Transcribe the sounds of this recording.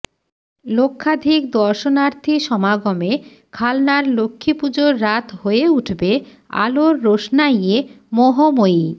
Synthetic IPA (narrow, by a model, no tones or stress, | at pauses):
lokʰːad̪ʱikd̪ɔɾʃonaɾt̪ʰiʃɔmaɡome | kʰalnaɾlokʰːipud͡ʑoɾːat̪ʰɦoeuʈʰbe | a̰loɾːoʃnaie | moɦomoi